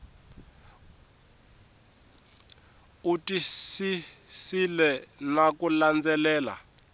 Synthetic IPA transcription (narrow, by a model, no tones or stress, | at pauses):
utisisilɛnakuland͡zɛlɛːla̰